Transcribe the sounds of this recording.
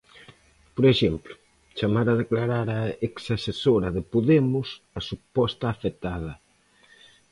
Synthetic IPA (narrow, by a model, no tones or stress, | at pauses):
poɾeʃemplʊ | t͡ʃamaɾaðeklaɾaɾaeksasesoɾɐðɪpoðemʊs | ɐsupɔst̪aːfet̪að̞ɐ